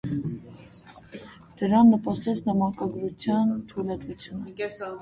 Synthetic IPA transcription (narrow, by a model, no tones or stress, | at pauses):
d̪̥əɾɑnːəpɑsɛt͡sʰnɑmɑkɑɡɾut͡sʰjɑnt̪ʰulɑt̪vut͡sʰjunə